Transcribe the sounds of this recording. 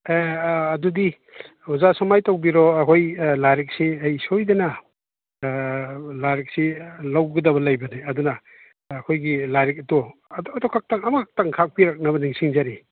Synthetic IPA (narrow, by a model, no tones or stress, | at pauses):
eːdɔdi | uzasɔmajtawbiɾɔɐkʰojlaɾik̚siɐjsojdɐnɐ | laɾik̚silawɡɐdɐbɐlajbɐniɐdunaː | kʰojɡilaɾik̚ɐtɔdɔkʰak̚taŋɐmak̚taŋkʰak̚piɾak̚nɐβɐniŋsiŋzaɾi